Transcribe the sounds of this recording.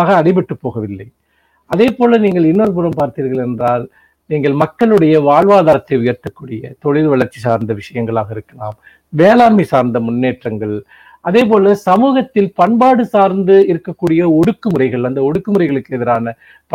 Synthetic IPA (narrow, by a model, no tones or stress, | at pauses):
ɣɐːɽɪpɪʈːɯpːoːɣɐʋɪlːɐɪ | ʔɐðeːpoːlɐniːŋɡɐɭɪnːoɾɯp̬ʊɾɐmpaːɾt̪iːɾɣɐɭɛndraːl | niːŋɡɐɭmɐkːɐɭɯɽɐjɐʋaːɭʋaːðaːɾɐt̪ːɐɪʊjɐɾt̪ːɐkːuːɽɪjɐt̪ɔɻɪðɯʋɐɭɐɾt͡ʃːisaːɾnd̪ɐʋɪʂɐjɐŋɡɐɭaːɣɐɪɾɯkːɐla̰ːm | ʋeːlaːmisaːɾnd̪ɐmʊnːeːʈrɐŋɡɐɭ | ʔɐðeːp̬oːlɐsɐmuːɣɐt̪ːɪlpɐɳbaːɽɯsaːɾnd̪ɯɪɾɯkːɐkːuːɽɪjɐɔɽɯkːɯmɯɾɐɪɣɐɭɐnd̪ɐɔɽɯkːɯmɯrɐɪɣɐɭɯkːɯɛðɪɾaːnɐ | p